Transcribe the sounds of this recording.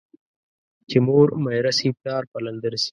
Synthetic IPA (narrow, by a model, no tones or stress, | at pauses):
t͡ʃimoːɾmɐjɾɐsipaːɾpɐlɐnd̪əɾsi̥